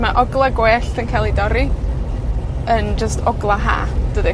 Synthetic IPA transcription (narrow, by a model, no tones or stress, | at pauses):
maʔɔɡlˠaɡweːɬənkʰajlˠidɔɾi | ənd͡ʒəstʰɔɡlˠaɦa̰ːd̥əːðɛ